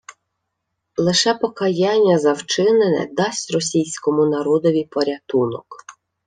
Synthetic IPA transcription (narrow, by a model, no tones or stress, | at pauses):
lˠɪʃɛpɔkɐjɑnʲːɐzɐwt͡ʃɪnenɛ̰d̪ɑsʲtʲrɔsʲijsʲkɔmʊnɐɾɔd̪ɔʋʲipɔɾʲɐt̪unɔ̰k